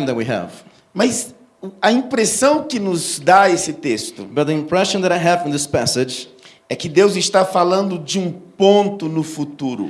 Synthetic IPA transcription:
ðɨt̚wiɦɛ̰v̥ | mɐz | ɐĩpɾesɐ̃w̃kɪnʊzd̪aesɪt̪est̪ʊ̰bɐt̪̚ðiɪ̃mpʰɹɛʃɨ̃nðɨɾaɪɦɨṽn̩ðɪspæsɪd͡ʒ | ɛkɪd̪ewzɪst̪afalɐ̃nd̪ʊd͡ʒɪũpõnt̪ʊnʊfut̪uɾʊ̰

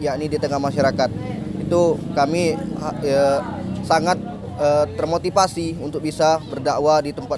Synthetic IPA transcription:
jaʔnidit̪əŋahmaʃaɾakat̪̚it̪ukamiəsaŋat̪̚ | əːərmot̪ifasiunt̪ʊk̚bisabərdaʔwadit̪əmpa

